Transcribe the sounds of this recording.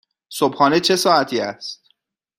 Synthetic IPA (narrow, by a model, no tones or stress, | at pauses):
sobxɒːnet͡ʃʰe̞sɒːæt̪ʰiːæst̪̚